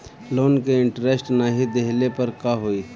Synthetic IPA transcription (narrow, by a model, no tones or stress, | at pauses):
loːnkeɪ̃ɳʈɾesʈnaːɦid̪eɦlepɐɾkaɦoiː